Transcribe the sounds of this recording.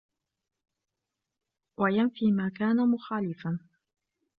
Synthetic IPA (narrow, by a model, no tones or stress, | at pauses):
wajanfiːmaːkaːnamʊxaːlɪfan